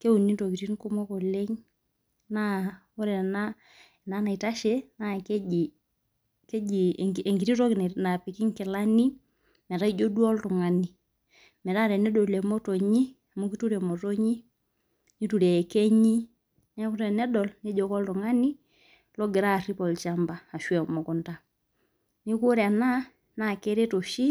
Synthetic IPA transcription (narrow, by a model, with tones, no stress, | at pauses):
ke˦u˨ni˦to˨ki˨ti˦nku˦mɔ˦kɔ˨le˦ŋ | na˦ | ɔ˦ɾɛ˨na˦˨ | na˦na˨i˨ta˦ʃɛ˦na˦kɛ˦i˨ | kɛ˦d͡ʒi˨e˨ŋɡi˨ɾi˦tɔ˦kn˨na˨pi˨ki˦ŋkɪ˨la˦ni˦ | mɛ˨ɾa˦i˦d͡ʒo˦du˦ɔ˦ltu˨ŋa˨ni˨ | mɛ˨ɾa˦ɾɛ˨nɛ˦dɔ˨lɛ˨mɔ˦tɔ˨ɲi˦˨ | mo˦ki˦tu˦ɾɛ˨mɔ˨tɔ˦ɲi˦ | ni˦tu˨ɾeː˨kɛ˦ɲi˦ | nɛ˦kʊ˦ɾɛ˨nɛ˦dɔ˨lnɛ˦ɟɔ˨kɔ˦ltu˨ŋa˦ni˦ | lɔ˦ɡɪ˨ɾa˦˨ri˦pɔ˨lt͡ʃa˦mba˨a˨ʃwɛ˨mɔ˨ku˦nta˦ | ni˦ku˦ɾa˨na˦ | na˦˨kɛ˦ɾe˦to˨ʃi˦